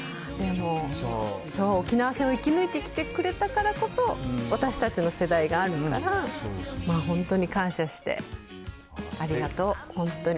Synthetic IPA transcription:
d̪e̞mo̞ | so̞ːkʲinaβasẽoikʲinɯ̟it̪e̞ikʲi̥t̪e̞kɯ̟ɾe̞t̪akaɾako̞so̞βat̪aɕi̥t̪at͡ɕino̞se̞d̪aiɡaːɾɯ̟kaɾamaːɦõ̞nt̪o̞ɲ̟ikãɰ̃ɕaɕi̥t̪e̞̰ | aɾʲiɡat̪o̞ːhõ̞nt̪oɲ̟i

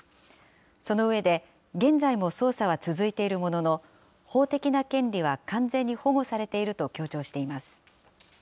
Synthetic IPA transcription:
so̞no̞ɯ̟βe̞d̪e̞ | ɡẽ̞nd͡zaimo̞so̞ːsaβat͡sɨzɨit̪e̞iɾɯ̟mo̞no̞no̞ | ho̞ːt̪e̞kʲinakẽ̞nɾʲiβ̞akãnd͡zẽ̞ɲ̟ːiho̞ɡo̞saɾe̞t̪e̞iɾɯ̟t̪o̞kʲo̞ːt͡ɕo̞ːɕi̥t̪e̞imasɨ̥

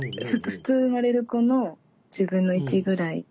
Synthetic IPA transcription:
sɨt̪ːoɸɯ̥t͡sɨmaɾe̞ɾɯ̟ko̞no̞ | d͡ʑɨːbɯ̟̃nːo̞it͡ɕiɡɯ̟ɾaḭ

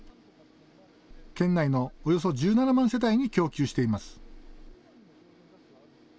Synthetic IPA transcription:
kẽ̞nːaino̞ːjo̞s̬o̞d͡ʑɨːnanamãɰ̃se̞t̪aiɲ̟ikʲo̞ːkʲɨːɕi̥t̪e̞imasɨ̥

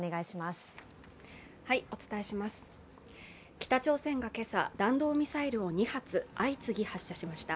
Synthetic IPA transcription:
neɡaiɕimasɨ̥ | haio̞t͡sɨ̥t̪ae̞ɕimasɨ̥ | kʲi̥t̪at͡ɕo̞ːsẽ̞ŋɡake̞sa̰d̪ãnd̪o̞ːmʲisaiɾɯ̟o̞ɲ̟ihat͡sɨait͡sɨɡʲihaɕːaɕimaɕi̥t̪a

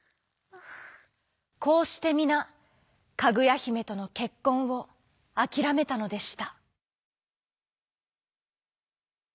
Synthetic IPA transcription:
ko̞ːɕi̥t̪e̞mʲina | kaɡɯ̟jaçime̞t̪o̞no̞ke̞kːõ̞ɰ̃βo̞ | akʲiɾame̞t̪ano̞d̪e̞ɕi̥t̪a

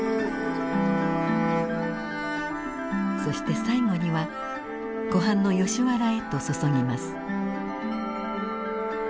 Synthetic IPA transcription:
so̞ɕi̥t̪e̞saiŋo̞ɲ̟iβa | ɡ̥o̞ɦãnːo̞jo̞ɕiβaɾae̞t̪o̞so̞so̞ŋʲimasɨ̥

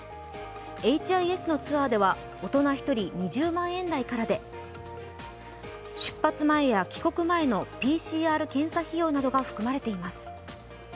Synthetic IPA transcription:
e̞it͡ɕiaie̞sɨno̞t͡sɨβaːd̪e̞βa | o̞t̪o̞naçi̥t̪o̞ɾʲiɲ̟iʑɨːmãɰ̃ẽ̞nd̪aikaɾad̪e̞ | ɕɨ̥pːat͡sɨmae̞jakʲi̥ko̞kɯ̟mae̞no̞pʲiːɕiːaːɾɯ̟kẽ̞ɰ̃saçijo̞ːnad̪o̞ɡaɸɯ̟̥kɯ̟maɾe̞t̪e̞imasɨ̥

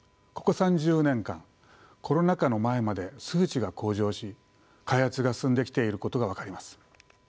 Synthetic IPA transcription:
ko̞̥ko̞sãɲ̟d͡ʑɨːnẽ̞ŋkã̰ŋ | kʰo̞ɾo̞nakano̞mae̞mad̪e̞sɨːt͡ɕiɡako̞ːʑo̞ːɕi | kaihat͡sɨɡasɨ̃nd̪e̞kʲi̥t̪e̞iɾɯ̟ko̞t̪o̞ɡaβ̞akaɾʲimasɨ̥

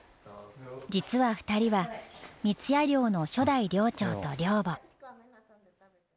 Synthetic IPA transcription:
d͡ʑit͡sɨβaɸɯ̥t̪aɾʲiβamʲit͡sɨjaɾʲo̞ːno̞ɕo̞d̪aiɾʲo̞ːt͡ɕo̞ːt̪o̞ɾʲoːbo

